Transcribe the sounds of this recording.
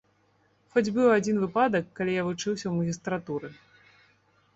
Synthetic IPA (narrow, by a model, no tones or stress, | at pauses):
fɔd͡zʲbɨwad͡zʲinvɨpad̪ɐkːalʲijavut͡ʂɨwsʲɐwmɐɣʲist̪ɾat̪uɾɨ